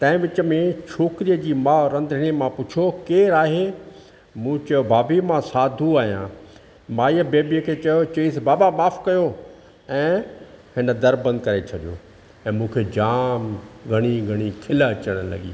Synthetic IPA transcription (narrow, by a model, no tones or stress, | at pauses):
t̪ɐ̃ɦɪ̃ʋɪt͡ɕəmẽt͡ɕʰoːkɪɾijəd͡ʑiːmaːɾɐ̃nd̪ɪñimãpʊt͡ɕʰjokeːɾaːɦe | mũːt͡ɕɐobʱaːbimãsaːd̪ʱuaːɦijã̰ː | mãːiəbeːbiəkʰeːt͡ɕɐjot͡ɕɐisbaːbamaːfkɐjo | ɛ̃ːhɪnə̆d̪ɐɾbə̃nd̪̚kɐɾet͡ɕʰɐɗijo̰ː | ɛ̃ːmũːkʰeːd͡ʑaːmɡʱɐɽ̃iɡʱɐɽ̃ikʰɪləɐt͡ɕəɽ̃lɐ̰ɡḭː